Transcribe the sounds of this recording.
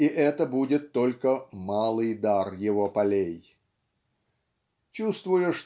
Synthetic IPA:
iʔɛt̪əbudʲɪt̪ːo̞lʲkəmalˠɨjd̪arjɪvopɐlʲej | t͡ɕust̪vʊjʊʂt̪

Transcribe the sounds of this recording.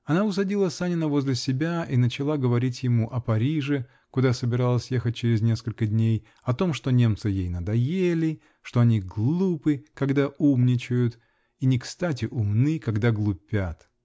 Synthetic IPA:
ɐnaʊs̬ɐdʲilˠəsanʲɪnəvo̞zʲlʲɪsʲɪbʲaʔinət͡ɕɪlˠaɡəvɐɾʲitʲjɪmuʔɐpɐɾʲiʐɨ | kʊd̪asəbʲɪɾalˠəsʲje̞xət̚ʲt͡ɕɪɾʲɪznʲe̞skəlʲkədʲnʲej | ɐt̪o̞mʂt̪o̞nʲe̞mt̪sɨjejnəd̪ɐjelʲɪ | ʂt̪o̞ɐnʲiɡlˠupɨkɐɡd̪aʔumnʲɪt͡ɕʊjʊt̪ | inʲɪkst̪atʲɪʔʊmnɨkɐɡd̪aɡlˠʊpʲat̪

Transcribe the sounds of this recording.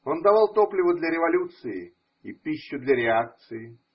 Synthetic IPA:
ond̪ɐvalˠt̪oplʲɪvʊd̪lʲɐɾʲɪvɐlʲut̪sɨɪ | ipʲiɕːʊd̪lʲɐɾʲɪak̚t̪sɨjɪ

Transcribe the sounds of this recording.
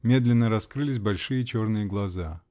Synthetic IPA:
mʲe̞d̪lʲɪnːəɾɐskɾɨlʲɪs̬ʲbɐlʲʂɨjət͡ɕo̞rnɨjəɡlˠɐza

